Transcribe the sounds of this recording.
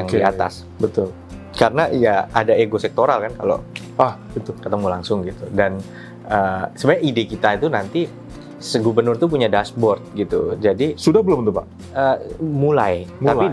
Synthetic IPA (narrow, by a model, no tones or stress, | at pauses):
aŋdiat̪a̰s | bət̪ʊl | kaɾənajaadaeɡosɛk̚t̪oɾalkanka̰lo̰ | ahbət̪ʊkət̪əmulaŋsʊŋɡit̪udan | əːsəbaɲaʔidekit̪ait̪unant̪i | səɡubənʊrt̪up̬uɲadasbɔrt̪̚ɡit̪ṵd͡ʒadisudahbəlʊmnt̪upaʔ | əmulajmali